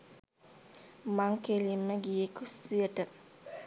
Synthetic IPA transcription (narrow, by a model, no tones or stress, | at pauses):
maŋkelimːəɡijekusiəʈə